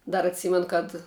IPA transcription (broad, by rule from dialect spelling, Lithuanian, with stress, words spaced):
ˈdɐr ɐtʲˈsʲiːmʲɛn kɐt